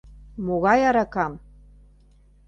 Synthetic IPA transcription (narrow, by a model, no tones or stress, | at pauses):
moɣɑjaɾakam